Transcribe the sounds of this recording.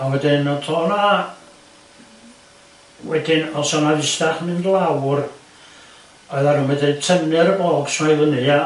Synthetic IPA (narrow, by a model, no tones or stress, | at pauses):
awɛdɪnɔtʰɔːna | wɛdɪnɔsɔnaðɪstaχnɨndlˠawr | ɔɨðaɾəmɛdetʰəmnɛɾəboːɡ̥smajlˠənɨa